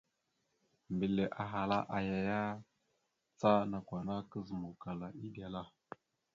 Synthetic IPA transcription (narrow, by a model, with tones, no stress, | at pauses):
mbi˨le˨ʔa˨ɦa˨la˦ʔa˨ja˨ja˦ | t͡sa˦na˨kʷa˨na˦kə˦zə˨mu˨ka˨la˨i˦ɗi˦˨a˨la˦